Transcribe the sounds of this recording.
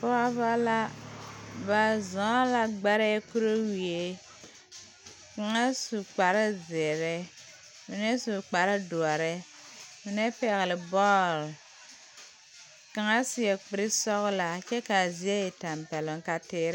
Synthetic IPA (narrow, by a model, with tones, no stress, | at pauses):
pɔ˦a˦ba˦la˦ | ba˨zɔ̃˨˦la˨ɡ͡ba˦ɾɛ˦ku˦ɾo˦wi˨e˦ | ka˨ŋa˦su˨k͡pa˨ɾɪ˦zɪ˨ɾɪ˦ | mɪ˨nɛ˦su˨k͡pa˨ɾɪ˦dʊ˨ɔ˨ɾɪ˦ | mɪ˨nɛ˦pɛ˨ɣɪ˨lɪ˨bɔː˦˨l | ka˨ŋa˦sɪ˨ɛ˨k͡pɪ˨˦ɾɪ˦sɔ˦ɣla˨t͡ʃɛ˦ka˨zi˦e˦ɪ˨ta˨mpɛ˨lʊ˨ŋka˦tɪː˦ɾ